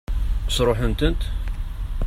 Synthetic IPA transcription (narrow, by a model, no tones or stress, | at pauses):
sɾˤoħənt̪ənt̪